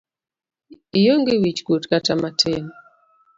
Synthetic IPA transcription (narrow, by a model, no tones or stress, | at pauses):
ijoŋɡewit͡ʃɡotkatamatʰen